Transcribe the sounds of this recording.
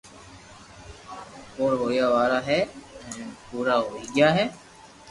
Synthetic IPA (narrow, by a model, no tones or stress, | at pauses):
oːɾɦoːjaːʋaːɾaːɦɛː | puːɾaːɦoːiːɡɪjaːɦɛː